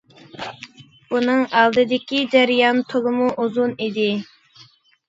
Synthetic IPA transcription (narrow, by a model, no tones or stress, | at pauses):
unɨŋɑlˠd̪ɨd̪ɪkʲid͡ʒæɾijɑnt̪ʰolˠɨmuʔuzunid̪ɪ